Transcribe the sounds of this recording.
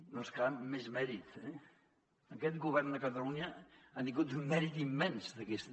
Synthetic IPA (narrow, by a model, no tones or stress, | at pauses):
nonskamːezmɛɾit̪ɛ | əkɛt̪̚ɡuβɛrnd̪əkət̪əluɲəand̪iŋɡut̪ummɛɾit̪imːɛnsd̪əkɛst̪